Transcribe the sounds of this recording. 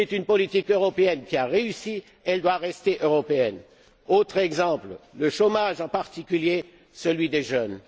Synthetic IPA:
ɛt̪ynpɔlit̪ikøʁɔpeɛnkʲiaʁeysi | ɛld̪waʁɛst̪eʔøʁɔpeɛn | ot̪χɛɡzɑ̃plləʃomaʒɑ̃paʁt̪ikʲylje | səlɥid̪eʒœn

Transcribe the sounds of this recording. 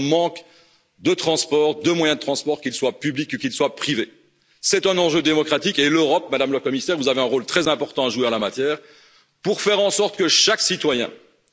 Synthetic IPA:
mɑ̃k | d̪ət̪χɑ̃spɔʁd̪əmwajɛ̃d̪ət̪χɑ̃spɔʁkʲilswapyblikukilswapχive | sɛt̪ɛ̃nɑ̃ʒød̪emɔkχat̪ikeløʁɔp̚mad̪amləkɔmisɛːʁvuzaveɛ̃ʁolt̪χɛzɛ̃pɔʁt̪ɑ̃aʒuwealamat̪jɛːʁ | puʁfɛʁɑ̃sɔʁt̪kəʃaksit̪wajɛ̰̃

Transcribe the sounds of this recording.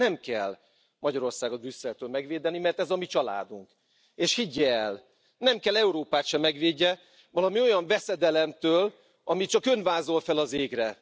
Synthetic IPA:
ɛmkɛlː | mɒɟɒɾo̞rsaːɡɒbrysːɛlt̪øːlmɛɡʋeːd̪ɛnimɛrt̪ɛzɒmit͡ʃɒla̰ːd̪uŋk | eːʃhiɟːɛːl | nɛmkɛlɛuɾoːpaːt̪ʃɛmːɛɡʋeːɟːɛ | vɒlɒmio̞jɒɱvɛsɛd̪ɛlɛmt̪øːl | ɒmit͡ʃɒkønvaːzo̞lfɛlɒzeːɡrɛ

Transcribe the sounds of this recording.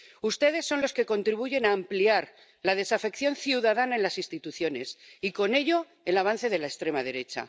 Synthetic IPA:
ust̪e̞ðe̞sːo̞nlo̞ske̞ko̞nt̪ɾiβ̞uʝe̞naːmpliaɾ | lað̞e̞safe̞kθjo̞nθjuðaðanaenlasĩnst̪it̪uθjo̞ne̞siko̞ne̞ʎo̞ | e̞laβ̞an̟θe̞ð̞e̞laest̪ɾe̞mað̞e̞ɾe̞t͡ʃa̰

